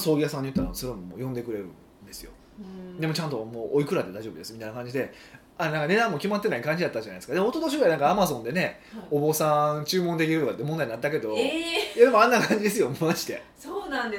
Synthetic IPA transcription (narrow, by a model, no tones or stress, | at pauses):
so̞ːɡʲijasãɲ̟ijɯ̟t̪ːaɾa̰soɾemomoːjõ̞nd̪e̞kɯ̟ɾe̞ɾɯ̟̰ | nd̪e̞sɨjo̞̰ | d̪e̞mo̞t͡ɕãnt̪o̞moːʔoikɯ̟ɾat̪ːed̪aiʑobd̪e̞sɨmit̪ajnakãɲ̟d͡ʑid̪e̞ | anãŋkane̞d̪ãmːo̞kʲimat̪ːe̞naikãɲ̟d͡ʑid̪at̪ːad͡ʑana̰jeɨ̥kad̪emoot̪ot̪oɕ̬iɡɯanãŋkaːmazõ̞nd̪e̞ne̞ | obo̞sãt͡ɕɨːmõnt̪e̞k̬ʲiɾɯt̪kat̪ːemond̪aɲ̟inat̪ːaked̪o̞jad̪e̞moãnːakãɲ̟d͡ʑid̪e̞sɨjo̞maɕi̥t̪e̞̰ | oːnãnd̪e